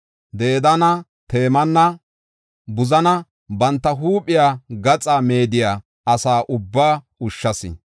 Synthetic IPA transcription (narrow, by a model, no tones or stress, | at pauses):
d̪e̞ːd̪ɐnɐ | t̪e̞ːmɐnːɐ | bʊzɐnɐ | bɐnt̪ːɐɦuːpʼːɪjaːɡɐt͡sʼaːme̞ːd̪ɪjaː | ɐsaːʔʊbːaː | ʊʃːɐsɪ̰